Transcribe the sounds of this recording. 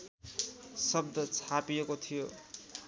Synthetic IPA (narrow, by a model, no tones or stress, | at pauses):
sʌbd̪ʌt͡sʰapijekot̪ʰijo